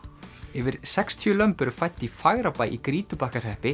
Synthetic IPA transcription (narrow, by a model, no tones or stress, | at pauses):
ɛvɪɾ̥sɛkst̪ʰjʏlœmpʏɾʏfajt̪ːifaɣɾapaːjʔḭkɾiːt̪ʏpahkar̥ɛhpɪ